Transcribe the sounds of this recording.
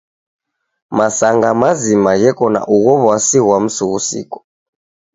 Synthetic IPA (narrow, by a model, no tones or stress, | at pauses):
masaŋɡamazimaɣɛkɔna̰ʔuɣɔβwasiɣwam̩suɣusḭkɔ̥